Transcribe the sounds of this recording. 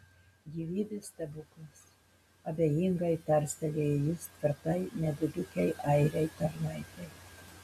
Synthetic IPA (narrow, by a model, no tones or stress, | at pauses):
ɡʲiʋʲiːd̪ʲɪst̪ʲɐbʊklˠɐs | ɐbʲejiŋɡɐɪpʲæɾʲsʲt̪ʲɛlʲejjʊsʲt̪ʲʋʲɪɾt̪ɐɪnʲɛd̪ʊd̪ʲʊkʲɛɪʔɐɪɾʲɛɪt̪ɐɾnɐɪt̪ʲɛɪ